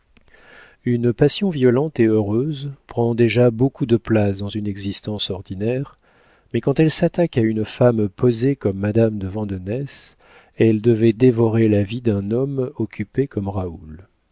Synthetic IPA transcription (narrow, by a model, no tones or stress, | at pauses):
ynpasjɔ̃vjɔlɑ̃t̪eøʁøzpχɑ̃d̪eʒabokud̪əplasd̪ɑ̃zynɛɡzist̪ɑ̃sɔʁd̪inɛʁ | mɛkɑ̃t̪ɛlsat̪akaynfampozekɔmːad̪amd̪əvɑ̃d̪ɔnɛs | ɛld̪əvɛd̪evɔʁelavid̪ɛ̃nɔmɔkʲypekɔmʁaul